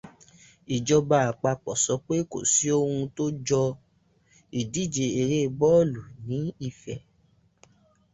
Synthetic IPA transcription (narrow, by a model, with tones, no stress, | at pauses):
i˨d͡ʒɔ˧ba˧a˨k͡pa˧k͡pɔ˨sɔ˨˦k͡pe˦ko̰˨si˨˦o˦hũ˧to˦d͡ʒɔ˧ | i˨di˨˦˨d͡ʒe˧e˧ɾe˦˧bɔ˦˨lu˨nĩ˨˦i˧˨fɛ˨